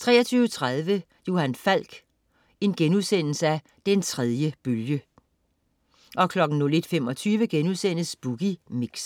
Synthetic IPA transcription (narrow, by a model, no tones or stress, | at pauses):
t͡sʰʁɛ̰ːɐt͡sʰyːʊət͡sʰʁað̞ˠʋə | jo̝hænfæl̰ɡ̥ | e̝nɡ̥enuðˠsen̰l̩səæ | d̥ent͡sʰʁɛð̞ˠjəb̥øljə | ʔɒ̽kʰlɒ̽ɡ̥n̩nole̝d̥femɒ̽t͡sʰyːʋəɡ̥enuðˠsen̰əsb̥uɡ̥imiɡ̥s